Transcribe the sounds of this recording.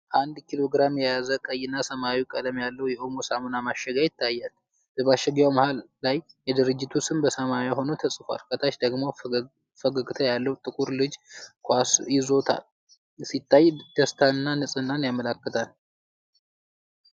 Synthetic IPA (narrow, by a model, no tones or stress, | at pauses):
ʔand̪kʰilo̞ɡɾamjɛjazəkʼəjːɪnːasəmawikʼəd̪əmjalːəwjɛʔomosamonamaʃːəɡajɪt̪ʰːajːal | b̥əbaʃɛɡjawməhalːajːɛd̪ɨɾɨd͡ʒːɪt̪ʰusɨmbəsəmaaho̞not̪ʰəsʼfa̰lkʰət̪ʰaʃd̪əɡmo̞ | fəɡəɡʼt̪ʰəjalːəwt̪ʼɨkʼuɾlɨd͡ʒkʰasjɪzo̞t̪ʰa̰l | sit̪ʰːajd̪̥əst̪ʰaɨnːanɨsʼɨnːanjaməlakːət̪ʰal